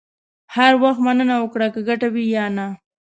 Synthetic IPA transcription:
haɾwaxt̪manənawəkɽakəɡaʈawijɑna

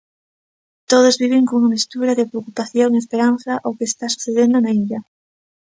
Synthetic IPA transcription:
t̪oð̞ozβiβ̞eŋkouamist̪uɾaðepɾeokupaθjoŋespeɾan̟θaʔowkeːst̪asu̥θeðend̪onaiʎa

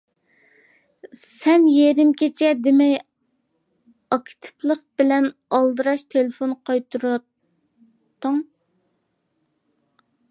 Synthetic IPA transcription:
sɛnjeɾɪmkʲʰet͡ʃʰɛd̪ɪmɛj | ɑkʲt̪ʰɪ̥plˠəqb̥ɪlɛnɑlˠd̪ɨɾɑʃt̪ʰelɪfonqʰɑjt̪ʰuɾɑ | t̪ːəŋ

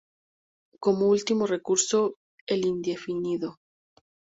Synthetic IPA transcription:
ko̞moult̪imo̞re̞kuɾso̞ | elind̪e̞finiðo̞

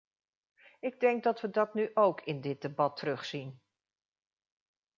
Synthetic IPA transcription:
ɪɡ̚dɛŋɡ̚dɑtʋədɑtnyʔowkʰɪndɪt̚debɑtərɵχsin

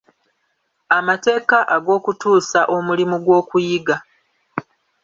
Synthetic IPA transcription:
amate̞ːkaʔaɡo̞ːkutuːsaʔo̞mulimuɡwo̞ːkujiɡa

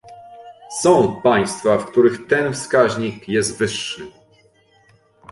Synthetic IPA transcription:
sɔ̃w̃paj̃st̪fafkt̪uɾɘxt̪ɛnfskaʑɲikjɛst̪vɘʂːɘ

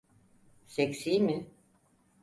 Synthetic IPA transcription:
seksiːmɪ

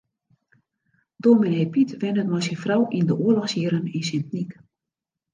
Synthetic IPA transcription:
domɪnepitʋɪnətmɔjsinfrawʔindəʔuəlɔxsjiəɾəninsɪntnik

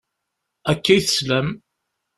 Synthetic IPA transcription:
ækːæjθə̥slæm

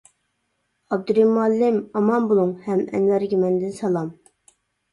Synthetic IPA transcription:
ɑb̚d̪uɾimuɛlːɪmɑmɑmbolˠuŋhɛmɛ̰nwæɾɡʲimɛnd̪ɪnsɛlˠɑm

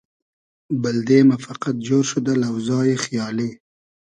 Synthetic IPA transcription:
bald̪emafaqat̪̚d͡ʒoɾʃʊd̪əlawzɑjexjɑːle

